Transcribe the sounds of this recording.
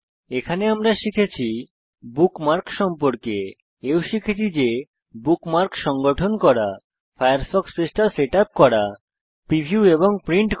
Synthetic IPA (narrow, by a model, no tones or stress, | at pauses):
ekʰaneamɾaʃikʰet͡ɕʰi | bukmaɾkʃɔmpoɾke | ewʃikʰit̪id͡ʑe | bukmaɾkʃɔŋɡoʈʰonkɔɾa | fajaɾfɔksfesʈaseʈap̚kɔɾa | pɾibʱijueβoŋpɾiɳʈ